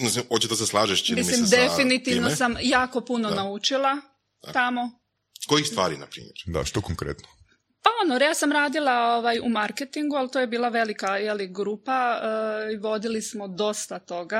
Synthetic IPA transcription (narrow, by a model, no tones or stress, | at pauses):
misiot͡ɕed̪aseslˠaːʒeʃt͡ʃimismlimd̪efinit̪inossamjaːko̞punonaut͡ʃilˠa | t̪amo̞ | kojixst̪ʋa̰ːɾḭna̰pɾḭmeɾd̪a̰ʃt̪okoŋkɾḛt̪no | paonoɾjaːsamɾaːd̪ilˠaoʋajumaɾket̪iŋɡualˠt̪ojebiːlˠaʋe̞likajeliɡɾuːpa | iʋo̞d̪ilismod̪o̞st̪at̪o̞ɡa